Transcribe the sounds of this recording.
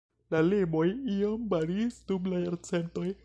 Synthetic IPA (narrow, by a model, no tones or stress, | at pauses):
lalimojiombaɾistublajɾt͡sent̪oj